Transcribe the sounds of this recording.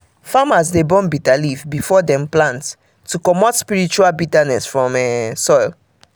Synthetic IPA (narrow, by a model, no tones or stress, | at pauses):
famasdebɔ̃nbitalifbifɔdɛ̃mplãnt | tːukɔmɔtspiɹit͡ʃualbitanɛsfɹɔ̃mɛsɔjl